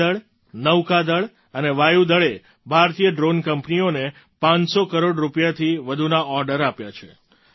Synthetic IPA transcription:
əɭ | nəwkad̪əɭ | əneʋajud̪əɭe | bʱaɾt̪ijəɖɾonkəmpnione | pãɲsokəɾoɖɾupjat̪ʰiʋəd̪ʱunaʔɔɾɖəɾapjat͡ʃʰe

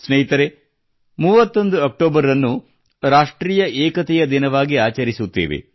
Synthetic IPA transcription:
sneːɦit̪ɐɾe | muːʋɐt̪ːo̞nd̪uɐk̚ʈoːbɐɾɐnːu | ɾaːʂʈɾiːjɐʔɛːkɐt̪ɛjɐd̪inɐʋaːɡiaːt͡ʃɐɾisut̪ːeːʋḛ

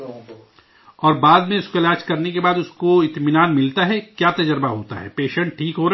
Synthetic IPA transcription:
ɔːɾbaːd̪mẽʊskoɪlaːd͡ʒkɐɾnekebaːd̪ʊskoɪt̪mɪnaːnmɪlt̪aɦɛkjaːt̪ɐd͡ʒəɾbaɦoːt̪a̰ɦɛ̰ːpeːʃə̃ɳʈ̚ʈʰiːkɦoːɾɐ

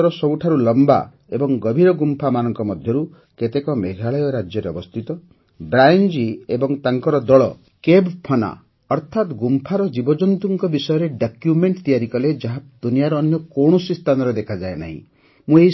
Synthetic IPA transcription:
ɾɔsɔbuʈʰaɾulɔmba̰ | ebɔŋɡɔbʱiɾɔɡumpʰamanɔŋkɔmɔd̪ʱjɔɾu | ket̪ekɔmeɡʱaɭɔjɔɾad͡ʒjɔɾeɔbɔst̪ʰit̪ɔ | bɾajnd͡ʒiebɔŋt̪aŋkɔɾɔd̪ɔɭɔ | kebpʰɔna̰ | ɔɾt̪ʰat̪ɡumpʰaɾɔd͡ʒibɔd͡ʒɔnt̪uŋkɔbisɔjɔɾeɖakjumeɳʈt̪ijaɾikɔled͡ʒaɦad̪̥unijaɾɔːnjɔkoɳ̃ɔsist̪ʰanɔɾɔd̪ekʰad͡ʒaena̰ɦḭ̃ | mũeɦi

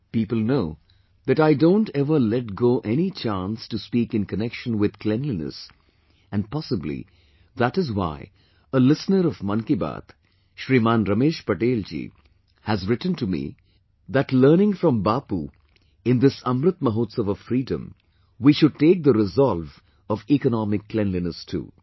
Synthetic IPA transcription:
piːpəl̩ˠnoʊ | ðɨʈɾaɪdõʊ̃nʈɛvəlɛʈ̚ɡoːʔɛnit͡ʃãnstuspiːkɨ̃nkənɛkʃə̃nwɪd̪̥klɛ̃nlinə̰s | æ̃npɑsəblḭ | ðætɨzwa̰ɪ | əlɪsnəɾɔvmʌ̃nkiba̰t̪ | ʃɾiːmãːnɾʌmeːʃpəʈeːld͡ʒḭ | hæzɾɪʈn̩tumḭ | ðæʈləːɾnɪ̃ŋfɾɔ̃mbaːpu | ɪ̃nd̪ɪsʌ̃mɾɨt̪̚məɦoːt̪səʋəfɾiːdə̃m | wiʃʊɖ̚ʈeːk̚d̪əɾɪzɔlv | ɔvikənɑmɪkːlɛ̃nlinəstʰṵː

